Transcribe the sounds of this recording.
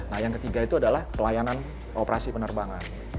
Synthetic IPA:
nahjaŋkət̪iɡait̪uadalahpəlajanan | ʔopəɾʔasipənərbaŋan

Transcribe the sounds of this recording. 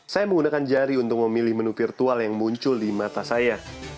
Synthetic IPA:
sajaməŋɡunakand͡ʒaɾiunt̪ʊk̚məmilɪhmənufirt̪ualjaŋmuɲt͡ʃʊldimat̪asaja

